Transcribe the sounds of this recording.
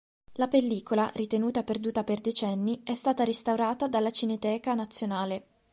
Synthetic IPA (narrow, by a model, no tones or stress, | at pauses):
lapelːiːkolarit̪enuːt̪aperd̪uːt̪aperd̪et͡ʃɛnːiɛst̪aːt̪aɾist̪awɾaːt̪ad̪alːat͡ʃinet̪ɛːkanat̪sːjonaːle